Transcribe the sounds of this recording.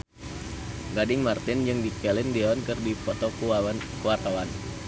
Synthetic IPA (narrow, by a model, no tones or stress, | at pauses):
ɡadɪŋmart̪ɪnd͡ʒɨŋdikɛlɪndɛɔnkɨrdipɔt̪ɔkuaa | kuwart̪awan